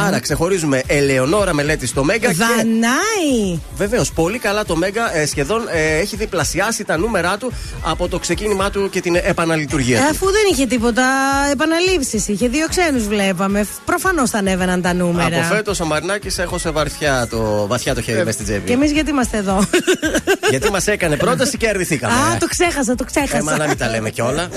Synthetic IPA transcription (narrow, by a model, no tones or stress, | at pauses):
ɐɾɐkse̞xo̞ɾizume̞ʔeleono̞ɾɐme̞le̞t̪ist̪o̞me̞ŋɡɐðɐnɐive̞ve̞ospo̞likɐlɐt̪o̞me̞ŋɡɐesçe̞ðo̞neçiðiplɐsiɐsit̪ɐnume̞ɾɐt̪u | ɐ̰po̞t̪o̞kse̞cinimɐt̪uce̞t̪inepɐnɐlit̪uɾʝiɐt̪ɐfuðe̞niçe̞t̪ipo̞t̪ɐepɐnɐlipsisiçe̞ðio̞kse̞nuzvle̞pɐme̞pɾo̞fɐno̞sθɐnevenɐnt̪ɐnumeɐɾɐofet̪osomɐɾnɐcisexo̞sevɐɾθçɐt̪ovɐθçɐt̪oçeɾimest̪id͡zeviemizʝɐt̪̬imɐst̪eːðo̞ | ʝɐt̪imɐse̞kɐne̞pɾo̞t̪̬ɐsiceɐɾðiθikɐ̰meɐt̪o̞kse̞xɐs̬ɐt̪oksexɐsɐɐnɐmit̪ɐlemeceo̞lɐ